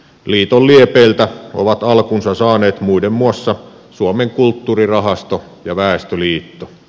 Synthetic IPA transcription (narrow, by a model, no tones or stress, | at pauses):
liːt̪olliepeːlt̪æo̰ʋɑt̪ɑlkunsɑsɑːneːt̪muidemːuɑsːɑ | suɑmeŋkult̪ːuːrirɑɦɑst̪o | jɑʋæˑest̪øliːt̪ːo